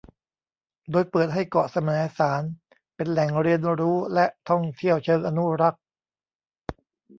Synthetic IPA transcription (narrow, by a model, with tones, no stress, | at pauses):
doː˧jpɤː˨˩t̪̚ɦa˥˩jkɔ˨˩sa˧mɤː˩˦saː˩˦n | pe˧nlɛ˨˩ŋɾi˧ənɾuː˦˥lɛ˦˥ʔt̪ʰɔ˥˩ŋt̪ʰi˥˩əwt͡ɕʰɤː˧ŋʔa˧nu˦˥ɾa˦˥k̚